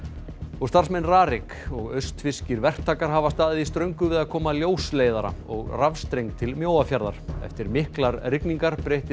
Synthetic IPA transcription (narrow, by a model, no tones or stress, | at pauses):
ɔɣst̪arsmɛnraːɾɪk | ɔɣœɥst̪fɪscɪɾvɛr̥t̪ʰːaːkaɾ̥ɦaːvast̪aːðɪðist̪ɾœɥŋkʏvɪðaðkʰɔːmaljoːwsleːjðaɾa̰ɔ̰ɣravst̪ɾejŋk̚t̪ʰɪlmjoːwafjaɾða̰ɾ̥ɛ̰ft̪ɪɾmɪhklaɾrɪkniŋkaɾ̥pɾejht̪ɪ